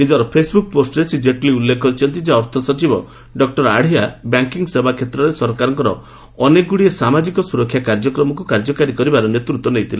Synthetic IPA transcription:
nid͡ʒɔɾɔpʰesbuk̚posʈɔɾesid͡ʒeʈliulːekʰɔɾit͡ʃʰɔnt̪id͡ʒaɔɾt̪ʰɔsɔt͡ʃibɔ | ɖɔk̚ʈɔɾaɽ̤ijabjaŋkiŋsebakʰet̪ɾɔɾesɔɾkaɾɔŋkɔɾɔ | ɔneɡuɽiesamad͡ʒikɔsuɾɔkʰːjakaɾd͡ʒɔkɾɔmɔkukaɾd͡ʒɔkaɾikɔɾibaɾɔnet̪ɾut̪ːɔnejt̪ʰile

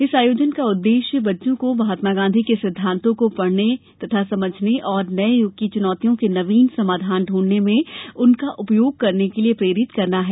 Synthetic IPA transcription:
ɪsaːjoːd͡ʒənkaʊd̪ːeːʃjəbɐtːʃõkobɐɦaːt̪maɡãːnd̪ʱikesɪd̪ʱːãːnt̪ʰõkopɐɽ̤net̪ɐt̪ʰasɐməd͡ʒʱneʔɔːɾnɐejʊk̚t̪it͡ʃʊnɔːt̪ijõkenɐʋiːnsɐmaːd̪ʱaːnɖʱuːɽnemẽʊnkaʔʊpjoːɡ̚kɐɾnekeliepɾeːɾɪt̪kɐɾnaɦɛː

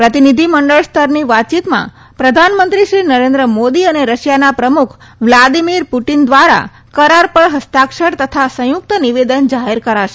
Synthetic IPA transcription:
pɾət̪inid̪ʱiməɳɖəɭst̪ʰəɾniʋat̪̚t͡ʃit̪mã̰ | pɾəd̪ʱanmənt̪ɾiʃɾinəɾẽnd̪ɾəmod̪iəneɾəʃjanapɾəmukʰ | ʋlad̪imiɾpuʈind̪ʋaɾa̰ | kəɾaɾpəɭɦəst̪akʃəɽt̪ət̪ʰasə̃jʊk̚t̪əniʋed̪ənd͡ʒaɦeɾkəɾaʃe

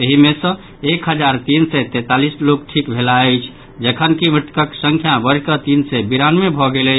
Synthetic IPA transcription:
əɦimesə̃ | ekɦəd͡ʒaɾt̪insɛt̪ɛt̪alislokʈʰikbʱelaəjt͡ʃʰ | d͡ʒəkʰənkimiʈ̪kəksəŋkʰjabəɾ̤kət̪insɛbiɾanmebʱɔɡelə

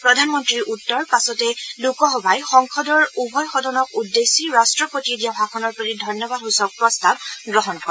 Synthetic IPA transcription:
pɹɔdʱanmɔntɹiɹʔutːɔɹpasɔtɛlukɔɦɔbajxɔŋkʰɔdɔɹubʱɔjxɔdɔnɔkudːesiɹastɹɔpotiedijabakʰɔnɔɹpɔɹidʱɔnjɔbad̚ɦusɔk̚pɹɔstab̚ɡɹɔɦɔnkɔ

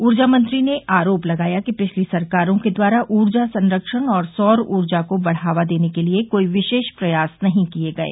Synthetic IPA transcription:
uːɾd͡ʒamɐ̃nt̪ɾineʔʔaːɾoːplɐɡaːjakipɪt͡ʃʰlisɐɾkaːɾõked̪waːɾaʔuːɾd͡ʒasɐ̃nɾəkʃəɽɔːɾsɔːɾuːɾd͡ʒakobɐɽ̤aːʋad̪eːnekeliekoːiʋɪʃeːʃpɾɐjaːsnɐɦĩkieɡɐḛː

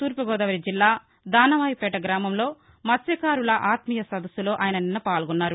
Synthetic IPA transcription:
t̪uːɾpɐɡɔːd̪ɐʋɐɾid͡ʒilːaː | d̪aːnɐʋaːjipɛːʈɐɡɾaːmɐmlo̞ː | mɐsjɐkaːɾulɐʔaːt̪mijɐsɐd̪ɐsulo̞ːʔaːjɐnɐninːɐpaːlɡɔnːaːɾu

